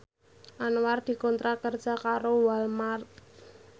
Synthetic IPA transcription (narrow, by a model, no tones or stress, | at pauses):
ʔanward̪̥i̤kɔnt̪ɾakər̥ʒ̥a̤kaɾowalmart̪